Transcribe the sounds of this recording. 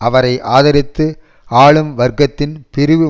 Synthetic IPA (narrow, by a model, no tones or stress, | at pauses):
ɐʋɐɾɐɪʔaːðɐɾɪt̪ːɯ | aːɭɯmʋɐɾɡɐt̪ːɪnpɪɾɯʋɯ